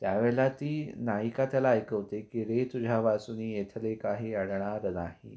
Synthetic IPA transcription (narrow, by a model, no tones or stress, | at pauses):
t̪jaʋeɭat̪iːnajikat̪jalaːjkəʋt̪ekiɾet̪ud͡ʑʱaʋasuniːjet̪ʰlekaɦiːəɽɳaɾnaɦḭ